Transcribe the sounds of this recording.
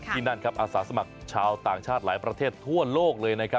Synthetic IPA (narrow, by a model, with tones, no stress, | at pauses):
t̪ʰiː˥˩na˥˩nkʰa˦˥p̚ʔaː˧saː˩˦sa˧ma˨˩k̚t͡ɕʰaː˧wt̪aː˨˩ŋt͡ɕʰaː˥˩t̪̚laː˩˦jpɾa˧t̪ʰeː˥˩t̪ʰːu˥˩ɐloː˥˩k̚lɤː˧jna˦˥kʰa˦˥p̚